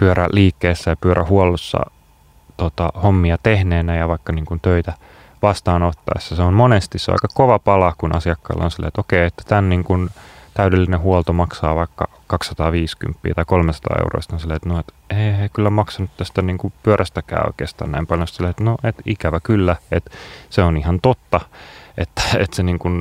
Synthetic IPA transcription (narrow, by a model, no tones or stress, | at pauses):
pyøɾæ̰liːkːeːsːæjɑpyøɾʔæ̰huolːusːɑ̰ | t̪ot̪ɑhomːiɑt̪ehneːnæjɑʋɑikːɑniːŋkunt̪øit̪æ | ʋɑst̪ɑːnot̪ːɑ̰esːɑseommonest̪issḛɑ̰ikɑkoʋɑpɑlɑkunʔɑsiɑkːɑ̰ːlːɑ̰onsilːḛːt̪okeiet̪ːæ̥t̪ænniːŋkunt̪æydelːinehuolt̪omɑksɑːʋɑikːɑ̰ | kɑksɑt̪ɑːʋiːsky̰mpːḭːt̪ɑikolmesɑt̪ɑ̰ːḛuro̰ist̪ɑnsilːeːet̪noet̪ | eːeikylːæmɑksɑnut̪t̪æst̪æniːŋkupyøɾʔæst̪ækæ̰ːo̰ikḛːst̪ɑ̰ːnæ̰impɑljonst̪silːeet̪noʔet̪ikæʋækylːæet̪seonihɑnt̪ot̪ːɑʔet̪ːæ̥ḛt̪seniːŋkun